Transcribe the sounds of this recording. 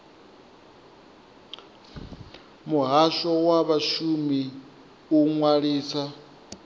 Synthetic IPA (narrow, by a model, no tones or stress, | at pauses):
muɦaʃɔwaβaʃumi | uŋwaɺiːsa